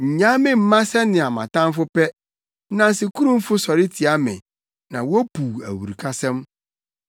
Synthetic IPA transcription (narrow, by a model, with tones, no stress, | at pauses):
ɲ̩˨ɲã˦mɪ̃˦m̩˦mã˦sɛ˦nɪ̃˨a˨mã̰˨tã˦m˦fʊ˦pɛ˦ | nã˨nsɪ˨kʰu˦ɾũ˦m̩˦fʊ˦sɔ˨ɾɪ˦tʰi˨a˦mɪ̰̃˨ | nã˨wpu˨æ̰˨wṵ˨ɾi˨kʰa˦sɛ̃˦m